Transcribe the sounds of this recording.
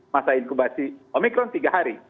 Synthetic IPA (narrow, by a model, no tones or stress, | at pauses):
masajlkubasiɔmikɾɔnt̪iɡaɦaɾi